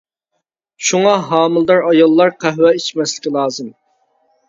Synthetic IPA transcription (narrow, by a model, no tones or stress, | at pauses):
ʃuŋɑɦɑːmɨlˠd̪ɑɾɑjɑlˠːɑɾqʰæɦwɛit͡ʃmɛslɪkʲilˠɑːzɨm